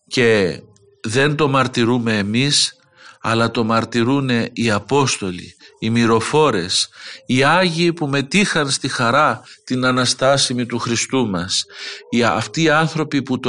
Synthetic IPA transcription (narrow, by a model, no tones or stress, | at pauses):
ce̞ | ðe̞nt̪o̞mɐɾt̪iɾume̞ːmis | ɐ̰lɐt̪o̞mɐɾt̪iɾune̞iɐpo̞st̪o̞lḭːmiɾo̞fo̞ɾe̞siɐʝiːpume̞t̪ixɐnst̪ixɐɾɐt̪inɐnɐst̪ɐsimit̪uxɾist̪umɐsiɐ̰ft̪iːɐnθɾo̞piput̪o